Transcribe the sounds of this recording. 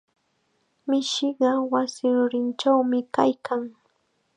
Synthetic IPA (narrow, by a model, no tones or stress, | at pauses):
mɪʃɪɢɑwasɪɾʊɾɪnt͡ʃawmɪkajkʰaŋ